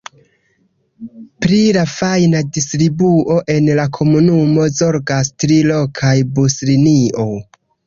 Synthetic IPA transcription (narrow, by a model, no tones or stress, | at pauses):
pɾilafajnadistɾibuʔo̞ʔe̞nlakʰo̞munumo̞zo̞ɾɡastɾilo̞kʰajbusliniʔo̞